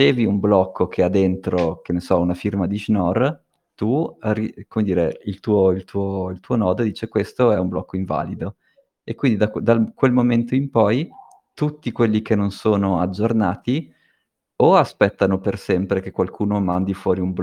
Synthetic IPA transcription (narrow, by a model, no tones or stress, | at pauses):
t͡ʃeːviumblɔkʰːok̟ʰead̪ent̪ɾok̟enesɔunafirmad̪iʒnɔr | t̪urikomed̪iːɾeilt̪uːoilt̪ʰuːoilt̪uːonɔːd̪od̪iːt͡ʃekwest̪oɛumblɔkːoiɱva̰ːlid̪o | ekːwind̪id̪akd̪alkwelmoment̪oimpɔj | t̪ut̪ːikwelːikenːonsoːnoad͡ʒːornaːt̪i | oaspɛt̪ːanopersɛmpɾekekːwalkʰuːnomand̪ifwɔːɾiumb